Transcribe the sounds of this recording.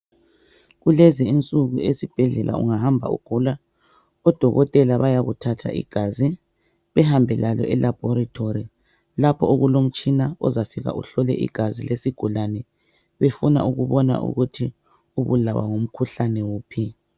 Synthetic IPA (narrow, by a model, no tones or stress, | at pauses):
ɣulɛziint͡sʼuɣuesib̥ʱɛɮɛlʔa̰ṵŋahambʱa̰ṵɡ̥ʱula | ɔd̥ʱɔɣɔtʼɛlaβajaɣutʰatʰa̰ʔḭɡ̥ʱazi | βɛhambʱɛlalɔʔɛlab̥ʱɔɾatʰoɾi | lapʰɔoɣulom̩t͡ʃʼinaɔzafiɣa̰ʔṵɬɔlɛ̰ʔḭɡ̥ʱazilesiɡ̥ʱulanɛ | βefuna̰ʔuɣuβɔna̰ʔṵɣutʰi | uβula̰wa̰ŋom̩kʰuɬanɛwuːpʰi